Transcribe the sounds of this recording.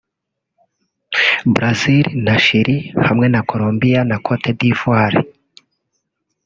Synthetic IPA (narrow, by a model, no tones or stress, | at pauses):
bɾaziɾinaʃiɾihamŋe̞nako̞ɾombijanakʰotʰebdiːfuaɾḛ